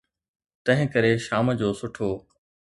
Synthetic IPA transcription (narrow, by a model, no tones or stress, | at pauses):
t̪ɐ̃ɦɪ̃kəɾeʃaːməd͡ʑoːsʊʈʰoː